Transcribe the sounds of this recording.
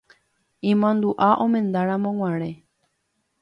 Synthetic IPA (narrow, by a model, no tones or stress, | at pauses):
ĩmõnd̪uʔaʔõmẽ̞nd̪aɾãmõŋʷãɾ̃ẽ